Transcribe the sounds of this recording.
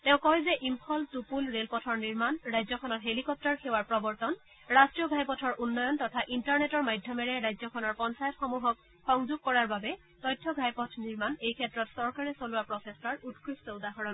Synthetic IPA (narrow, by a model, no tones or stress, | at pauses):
tɛʊ̃kɔɦjzɛʔimpʰɔltupulɹelpɔtʰɔɹniɹmanɹajzɔkʰɔnɔtɦelikɔp̚tɔɹxewaɹpɹɔbɔɹtɔn | ɹastɹijɔɡʱajpɔtʰɔɹʔunːɔjɔntɔtʰaʔintaɹnetɔɹmajdʱjɔmɛɹɛɹajzɔkʰɔnɔɹpɔnsajɔtxɔmuɦɔk̚ | xɔŋzuɡ̚kɔɹaɹbabɛ | tɔjtʰːɔɡʱajpɔtʰniɹmanejkʰɛtːɹɔtsɔɹkaɹɛsolʊwapɹɔsesaɹutkʰɹistɔudaɦɔɹɔn